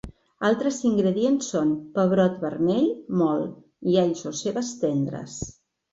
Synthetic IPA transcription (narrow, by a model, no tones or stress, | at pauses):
alˠt̪ɾəziŋɡɾəðiensːonpəβɾɔt̪βəɾmɛʎmɔl | iaʎzoseβəst̪ɛnd̪ɾə̰s